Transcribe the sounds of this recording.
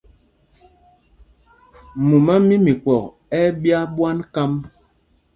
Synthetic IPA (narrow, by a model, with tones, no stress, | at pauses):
mu˨ma˦mi˦mi˨kɔ˨k | ɛ˦bja˦ɓwa˦nka˦m